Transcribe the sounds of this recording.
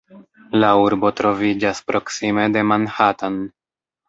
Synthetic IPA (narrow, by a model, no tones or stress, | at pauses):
lauɾbo̞tɾo̞vid͡ʒaspɾʔo̞ksime̞de̞manhatan